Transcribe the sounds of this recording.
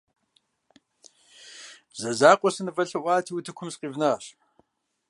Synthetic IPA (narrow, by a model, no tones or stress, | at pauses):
zɐzaːqʷʼɔsɨnɨvɐɬɐʔʷaːtʰiːwtʰɨkʷʰʊmsqʼiːvnɐɕ